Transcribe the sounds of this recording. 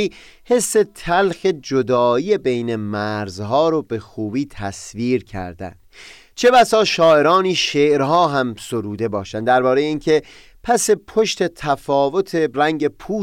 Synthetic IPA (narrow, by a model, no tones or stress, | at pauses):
iː | he̞sːe̞t̪ʰælxed͡ʒod̪ɒːiːebejne̞mæɾzɦɒːɾobe̞xuːbiːt̪ʰæsviːɾcʰæ̰ɾd̪æ̰nd̪̥ | t͡ʃʰe̞bæsɒːʃɒːe̞ɾɒːniːʃeːʔɾɦɒːɦæmsoɾuːd̪e̞bɒːʃænd̪d̪æɾbɒːɾe̞jeiːŋkʰe̞ | pʰæse̞pʰoʃt̪e̞t̪ʰæfɒːvo̞t̪ʰe̞ɾæŋɟepʰuː